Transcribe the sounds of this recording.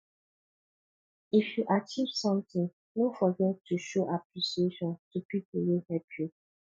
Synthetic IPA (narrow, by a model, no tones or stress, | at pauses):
ifjuʔat͡ʃiv̥sɔ̃mtĩŋ | nofɔɡɛd̚tʰuʃoʔapɾiʃieʃɔ̃ntupipojuhɛpʰju